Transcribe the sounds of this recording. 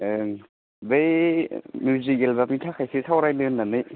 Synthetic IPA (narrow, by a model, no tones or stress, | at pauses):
ɯ | beimjuzikelbɛp̚mit̪ʰakʰajsʰisʰawɾajlɯnːanɯ